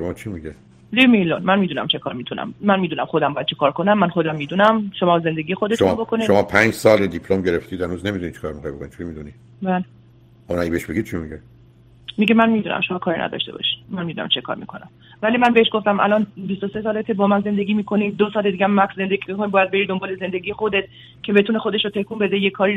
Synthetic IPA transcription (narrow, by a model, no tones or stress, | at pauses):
ʃomɒːt͡ʃʰimiɟe | limejlonmænmiːd̪uːnæ̰mt͡ʃʰe̞kʰɒ̰ːɾmiːt̪ʰunæ̰mːænmiːd̪uːnæmxod̪æmbɒːjæd̪t͡ʃʰekʰɒːɾkʰo̞næmːænχxo̞d̪æmːiːd̪unæmʃo̞mɒːze̞nd̪e̞ɡiːjexod̪et̪ounbokʰoniʃomɒːpʰænd͡ʒsɒːled̪ipʰlomɟeɾeft̪iːd̪̥hænuːznemid̪unit̪t͡ʃʰi̥kʰɒːɾmixɑ̰jbokʰonit̪t͡ʃʰeimid̪uni | bæle | ʔɒmnæɡʲibeeʃbeɡid̪̚t͡ʃʰimiɡe | miɟemænmiːd̪uːnʔæ̰mʃo̞mɒːkʰɒːɾḭnæ̰d̪ɒ̰ʃt̪e̞bɒ̰ʃi̥mænmiːd̪unæ̰mt͡ʃʰe̞kʰɒ̰ɾmḭːkʰo̞næ̰m | vælimænbeeʃɡo̞ft̪æmʔæ̰lɒnbist̪oste̞sɒːlet̪ʰebɒːmænze̞nd̪e̞ɡiːmiːkʰo̞nid̪osɒːled̪iɡæmːækszend̪eɡimikʰonibɒːjæd̪̚beɾid̪o̞mbɒːleze̞nd̪e̞ɡiːje̞xo̞d̪et̪̚ | cʰe̞be̞t̪ʰuːne̞xo̞d̪e̞ʃot̪ʰe̞hkʰuːmbe̞d̪ejekʰːɒːɾi